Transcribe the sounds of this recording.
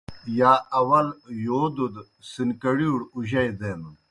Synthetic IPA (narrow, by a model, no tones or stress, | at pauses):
jaːɐwɐljoːd̪ud̪ | sinkɐɽiːɽuʑɐjd̪en